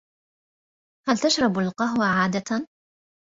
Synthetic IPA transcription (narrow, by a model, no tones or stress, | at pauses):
halt̪aʃɾˤɑbalqɑɦwaʕaːd̪at̪a